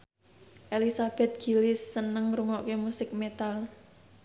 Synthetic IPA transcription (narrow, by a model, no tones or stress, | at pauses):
ʔelisab̥ɛ̤t̪̚ɡ̥ilɪsːənəŋɾuŋɔʔkemusɪk̚met̪al